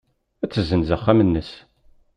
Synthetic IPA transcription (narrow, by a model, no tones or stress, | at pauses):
æt͡sːəzənzəχːæmənːəs